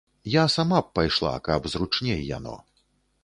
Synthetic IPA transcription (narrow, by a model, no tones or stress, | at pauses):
jasamap̚ːajʂlˠa̰kɐbzɾut͡ʂnʲɛjja̰nɔ̰